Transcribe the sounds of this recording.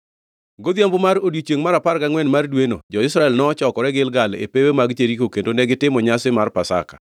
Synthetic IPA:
ɡod̪jambomaɾodjit͡ʃeŋmaɾapaɾkaŋwɛnmardweno̰d͡ʒɔɪsɾaɛlnɔt͡ʃɔkɔɾɛɡɪlɡalḛpewemaɡt͡ʃeɾikokendonɛɡɪtɪmɔɲasɪmarpasa̰kḁ̰

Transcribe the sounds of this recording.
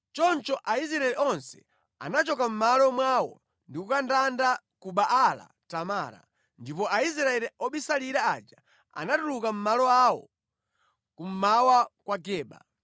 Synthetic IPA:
t͡ʃɔnt͡ʃɔʔaisɾaɛlɛʔɔnsɛ̥̰ | a̰nat͡ʃɔkam̩malɔmwawɔ̰ | ndikukandanda | kuɓaʔala̰ | tamaːɾa̰ | ndipɔais̬ɾaɛliɔɓisaliɾaad͡ʒa | a̰natulukam̩malɔawɔ̰ | kum̩mawakwaɡɛːɓa̰

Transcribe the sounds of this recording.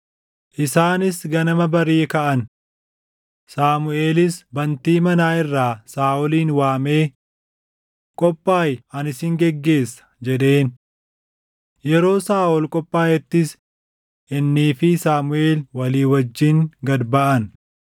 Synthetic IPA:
ʔɪsaːnɪsɡɐnɐmɐbɐɾiːkɐʔɐn | saːmʊʔe̞ːlɪsbɐnt̪iːmɐnaːɪrːaːsaːʔɔliːnwaːme̞ː | kʼɔpʼːaːjɐnɪsɪŋɡɛɡːe̞ːsːɐ̥d͡ʒɛd̪e̞ːn | jɛɾo̞ːsaːʔɔlkʼɔpʼːaːjɛt̪ːɪs | ʔɪnːiːfɪsaːmʊe̞ːlwɐliːwɐd͡ʒːɪŋɡɐd̪bɐʔɐn

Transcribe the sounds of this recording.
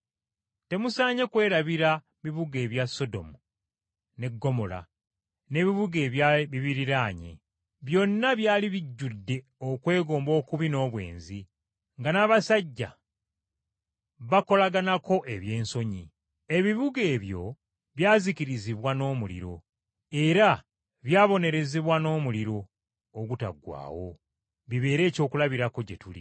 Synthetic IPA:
te̞musaːɲe̞kwe̞ːɾaβiɾa | βiβuɡe̞ːβjasːo̞do̞̰mu | ne̞ɡːo̞mo̞la̰ | ne̞ːβiβuɡe̞ːβjaβiβiɾiɾaːɲe̞̰ | βjo̞nːaβjaːliβiɟːudːe̞ | okwe̞ːɡo̞ːmbo̞ːkuβino̞ːβwe̞̰ːnzi | ŋɡanaːβasaɟːa̰ | βako̞laɡanako̞ʔe̞βje̞ːnso̞ɲi | e̞βiβuɡe̞ːβjo̞ | βjaːziciɾiziβwano̞ːmulḭɾo̞̰ | e̞ɾa | βjaːβo̞ne̞ɾe̞zeβwano̞ːmuliɾo̞ː | ɡuta̰ɡwa̰ːwo̞ | βiβe̞ːɾe̞ːco̞ːkulaβiɾako̞ɟe̞tulḭ

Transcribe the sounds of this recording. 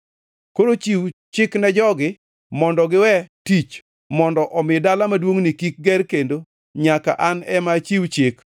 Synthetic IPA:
koɾot͡ʃiwt͡ʃɪknɛd͡ʒɔɡɪ | mɔndɔɡɪwɛtit͡ʃ | mɔndɔʔɔmɪdalamadwoŋnikik̚ɡɛrkendo | ɲaka̰ʔanɛmat͡ʃiwt͡ʃɪk

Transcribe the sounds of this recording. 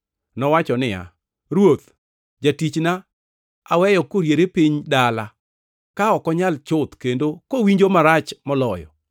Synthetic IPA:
nɔwat͡ʃɔnɪja̰ | ɾwot̪ | d͡ʒatit͡ʃna | awɛjɔkoɾjeɾepiɲdala | kaɔkɔɲalt͡ʃʊt̪kendokowiɲd͡ʒomaɾat͡ʃmɔlɔjɔ̰

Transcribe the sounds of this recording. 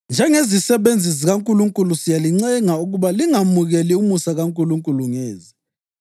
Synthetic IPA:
nd͡ʒʱɛŋezisɛβend͡zʱiziɣaŋkʼuluŋkʼulusijaliŋ͡ǀɛŋauɣuβaliŋamuɣɛliumusaɣaŋkʼuluŋkʼuluŋeːzi

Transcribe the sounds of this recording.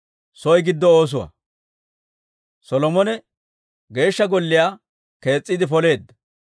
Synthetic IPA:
sɔjɡɪd̪ːɔo̞ːs̬ʊwa̰ | sɔlɔmɔnɛ | ɡe̞ːʃːɐɡɔlːɪjaː | ke̞ːt͡sʼːid̪ɪfɔle̞ːd̪ːɐ̥

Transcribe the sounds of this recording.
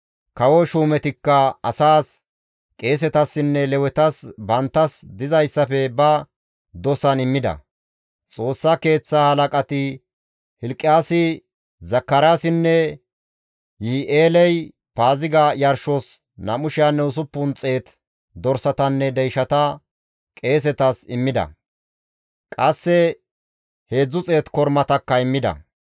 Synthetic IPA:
kɐwɔʃuːmɛt̪ɪkːɐɐsaːs | kʼe̞ːs̬ɛt̪ɐsːɪnːɛlɛwɛt̪ɐsbɐnt̪ːɐsd̪ɪzɐjsːɐfɛbɐ | d̪ɔsɐnɪmːɪd̪ɐ̰ | t͡sʼo̞ːsːɐke̞ːt͡sːaːhɐlɐkʼɐt̪ɪ | hɪlkʼːɪjaːsɪ | zɐkːɐɾaːsɪnːɛ | jiːʔeːlɛj | paːzɪɡajɐɾʃɔs | nɐmʊʃɪjanːɛʊs̬ʊpːʊnt͡sʼe̞ːt̪ | d̪ɔɾsɐt̪ɐnːɛd̪ɛjʃɐt̪ɐ | kʼe̞ːs̬ɛt̪ɐsɪmːɪd̪ɐ̰ | kʼɐsːɛ | he̞ːd͡zːʊt͡sʼe̞ːt̪kɔɾmɐt̪ɐkːɐɪmːɪd̪ɐ̰

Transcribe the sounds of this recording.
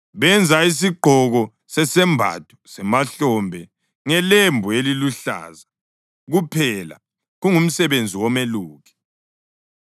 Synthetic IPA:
βɛnd͡zʱais̬iɡ͡ǃʱɔɣɔ | sɛsɛmbʱa̰tʰʼu̥sɛmaɬɔmbʱɛ | ŋɛlembʱueliluɬa̰ːza | ɣupʰɛla̰ | ɣuŋum̩sɛβend͡zʱiwɔmeluːɣʰɛ̥

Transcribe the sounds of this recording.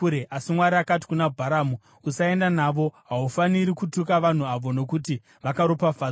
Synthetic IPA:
ɾeʔasimwaɾiakati̥kunabʱaɾaːmu | usae̞ndanaʋo̞ɦaufaniɾikutukaʋan̤uaʋo̞no̞kuti | ʋakaɾopafa

